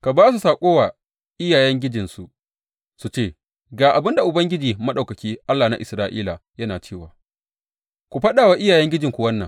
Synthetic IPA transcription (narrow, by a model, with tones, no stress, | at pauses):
ka˨baː˦s̬u˨saː˨kʷʼoː˦waː˨ | ʔɪ˦jaː˨jɛ˦ŋɡʲɪ˦d͡ʒɪ˨nsu˨ | su˨t͡ʃeː˦˨ | ɡaː˨ʔa˨bɪ˦nda˨ʔʊ˨bɐ˦ŋɡʲɪ˦d͡ʒiː˨mɐ˦ɗa˨wkɐ˨kʲiː˦ʔa˦lːaː˨na̰˦ʔɪ˨sɾaː˦ʔḭː˦la˨jɐ˦naː˨t͡ʃeː˦˨waː˨ | kʷu˨ɸɐ˦ɗaː˨waː˦ʔɪ˦jaː˨jɛ˦ŋɡʲɪ˦d͡ʒɪ˨ŋkʷu˨wɐ˦nːɐ̰˨ŋ